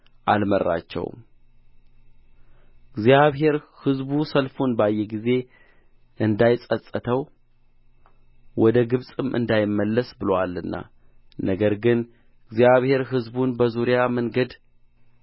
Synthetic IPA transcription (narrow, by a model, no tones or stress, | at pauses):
ʔalmərːa̰t͡ʃːɛ̰w | ɡzijaβɦe̞ɾhɨzbusəlfunbajːɛɡize̞ | ʔɨnd̪ajɪsʼəsʼət̪ʰəw | wɔd̪əɡɨβsʼɨmʔɨ̰nd̪ajɪmːəlːəsbɨlowalːɨnːa̰ | nʔəɡəɾɡɨn | ɨɡzijaβhe̞ɾɦɨzbunbəzuɾjaməŋɡəd̪